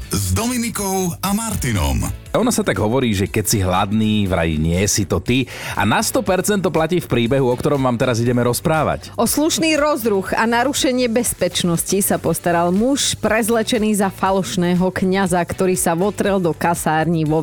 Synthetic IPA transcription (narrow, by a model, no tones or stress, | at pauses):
zd̪ɔminikɔʊamaɾt̪inɔ̰mɔnasat̪aɡɦɔʋɔɾiːʒɛkɛcsiɦla̰d̪niːʋɾa̰ɟḭɲɪɛsit̪ɔt̪ia̰nast̪ɔpɛɾt͡sɛnt̪ːɔplaciːfpɾiːbɛɦuɔkt̪ɔɾɔmʋaːmt̪ɛɾaziɟɛmɛɾɔspɾaːʋa̰cʔɔsluʃniːɾɔzɾuɣanaɾuʃɛɲɪɛbɛspɛt͡ʃnɔscisapɔst̪aɾalmuʃpɾɛzlɛt͡ʃɛniːzafalɔʃnɛːɦɔkɲazakt̪ɔɾiːsaʋɔt̪ɾɛld̪ɔkasaːɾɲiʋɔ